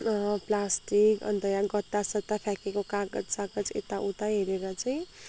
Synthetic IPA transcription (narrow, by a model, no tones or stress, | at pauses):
plasʈikʌ̰nt̪ʌjãɡʌt̪ːasʌt̪ːapʰjakekokaɡʌd͡zsaɡʌd͡zḛt̪aʔut̪ajɦeɾeɾʌt͡saj̃